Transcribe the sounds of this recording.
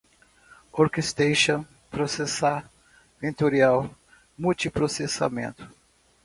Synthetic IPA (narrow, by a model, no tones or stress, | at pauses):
oɾkest̪ejʃõ | pɾosesa | vẽnt̪oɾiaw | muwt͡ʃipɾosesa̰mḛ̃nt̪ʊ̥